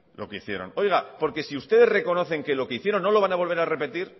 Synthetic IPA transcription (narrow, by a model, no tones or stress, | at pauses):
lo̞̰keiθje̞̰ɾo̞̰no̞jɣapo̞ɾke̞siust̪e̞ðe̞re̞ko̞no̞θe̞ŋke̞lo̞ke̞iθje̞ɾonːo̞lo̞β̞anaβ̞o̞lβe̞ɾare̞pe̞t̪iɾ